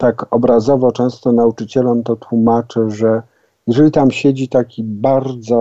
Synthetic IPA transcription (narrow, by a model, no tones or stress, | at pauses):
t̪akɔbɾazɔvɔt͡ʂɛ̃w̃st̪ɔnaut͡ʂɘt͡ɕɛlɔmt̪ɔt̪wumat͡ʂɘʐɛ | jɛʐɛlʲit̪amɕed͡ʑit̪akʲibaɾd̪zɔ